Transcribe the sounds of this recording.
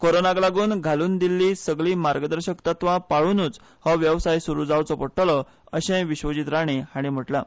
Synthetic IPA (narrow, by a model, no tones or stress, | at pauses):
koɾonaɡlaɡuːnɡʱaluːnd̪ilːiːsəɡɭiːmaɾɡəd̪əɾɕəkt̪at̪ʋãpaɭuːnuːt͡s | hɔʋjəʋsajsuɾuːd͡zawt͡sɔpəʈʰlɔ | əɕẽʋiɕʋəd͡ʑit̪ɾaɽ̃eaɽ̃im̤əʈla